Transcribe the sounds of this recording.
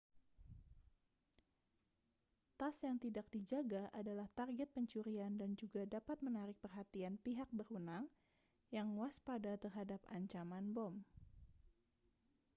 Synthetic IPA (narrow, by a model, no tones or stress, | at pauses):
t̪asjaŋt̪idak̚did͡ʒaɡaʔadalaht̪arɡɛt̪̚pəɲt͡ʃuɾiandand͡ʒuɡadapat̪̚mənaɾɪk̚pərɦat̪ianpiɦak̚bərwənaŋ | jaŋwaspadat̪ərɦadapa̰ɲt͡ʃamanbɔm